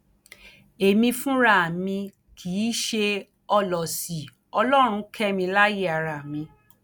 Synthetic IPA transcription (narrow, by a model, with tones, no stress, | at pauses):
e˨mĩ˧fũ˦ɾa˦˨mĩ˧ | kʰiː˨˦ʃe˧ | ɔ˧lɔ˨si˨ | ɔ˧lɔ˦ɾ̃ũ˧kʰɛ˦mĩ˧la˦je˦a˨ɾa˨mĩ˧